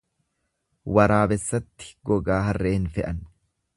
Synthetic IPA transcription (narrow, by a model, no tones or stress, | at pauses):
wɐɾaːbɛsːɐt̪ːɪ̥ɡɔɡaːɦɐrːeːhɪnfɛʔɐn